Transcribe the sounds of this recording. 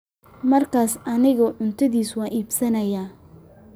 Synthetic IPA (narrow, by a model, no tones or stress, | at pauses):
mɐrkʰaːsʔɐnɪɣɔʕʊnt̪ʰɐðiːswɑːnʔiːbsɐnɐjaː